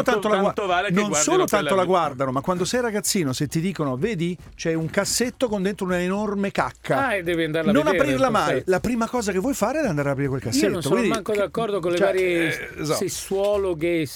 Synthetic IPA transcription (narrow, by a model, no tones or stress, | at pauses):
ot̪ant̪olaɡt̪alenonsoːlot̪anolaɡward̪anomakːwand̪osɛjɾaɡat̪sːiːnoset̪ːid̪iːkonoveːd̪i | t͡ʃɛuŋkasːet̪ːokond̪ent̪ɾounaenormeka̰kʰːaad̪ːɛːviand̪aɾlanonapɾirlamaːjlapɾiːmakɔːzakevːɔjfaːɾeɛd̪and̪aːɾeapɾiːɾekwelkasiːeotonsokowind̪miaŋkod̪akːɔrd̪okonlevaːɾjjezaeswɔːloɡe